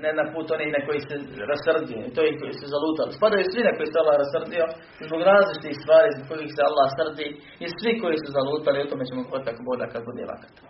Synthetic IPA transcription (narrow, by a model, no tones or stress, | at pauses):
najed̪anpuːt̪o̞nihnako̞jiseɾasr̩d̪ijoit̪ojikojisuzaluːt̪alispad̪ajusʋinako̞jisealːahɾasr̩d̪io̞ | zbo̞ɡɾaːzlit͡ʃi̥t̪ihst̪ʋaːɾiːzbokko̞jixsealːahsr̩d̪i | isʋiko̞jisuzalˠuːt̪aliut̪omet͡ɕemobuat̪t̪akobo̞ʎa̰kad̪̚bud̪ḛʋa̰kḁt̪ḁ